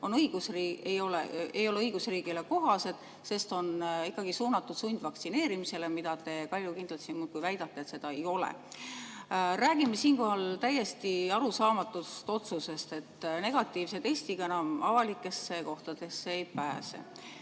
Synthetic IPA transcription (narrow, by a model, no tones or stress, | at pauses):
o̞nɤiɡ̥usriːejo̞lḛejo̞leɯijɡ̥usriːɡile̞ko̞ɦɑse̞d̪̥ | se̞st̪o̞nikːˑɑɡ̥isuːnɑt̪ːˑud̪̥sunʲd̪̥vɑkt̪sine̞ːɾimise̞le̞mid̪̥ɑt̪e̞kɑlʲːjukind̪lt̪sinmuːt̪̚kujvæjd̪̥ɑt̪ːeet̪se̞d̪ɑe̞jo̞lḛ | ræːɡ̥imːesiːnko̞ɦɑlt̪æje̞st̪iɑɾusɑːmɑt̪ːˑust̪o̞t̪suse̞st̪e̞t̪ːne̞ɡ̥ɑt̪ːˑiːvse̞t̪est̪iɡ̥ɑe̞nɑmɑvɑlikːˑe̞sːe̞ko̞ht̪ɑd̪̥e̞sːeejpæːsḛ